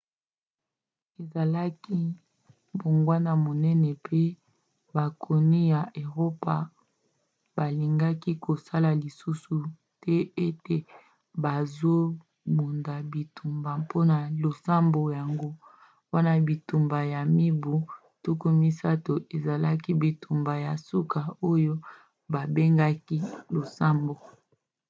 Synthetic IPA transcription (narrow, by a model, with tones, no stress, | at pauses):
e˨za˨la˦ki˦ | bo˨ŋɡwa˦na˨mo˨nɛ˦nɛ˨pʰe˦ | ba˨kʰo˨ni˦ja˨ʔe˨ʁo˦pa˨ | ba˨li˨ŋɡa˦ki˦kʰo˨sa˦la˨li˨su˦su˨ | tɛ˦e˦te˨ | ba˨zo˦ | mu˨nda˨bi˨tu˨mba˨po˦na˨lo˨sa˦mbo˨ja˨ŋɡo˦ | wa˦na˦bi˨tu˨mba˨ja˨mi˦bu˨ | to˦ko˦mi˦sa˦to˨ʔe˨za˨la˦ki˦bi˨tu˨mba˨ja˨su˦ka˨o˦jo˦ | ba˨be˦ŋɡa˦ki˦lo˨sa˦mbo˨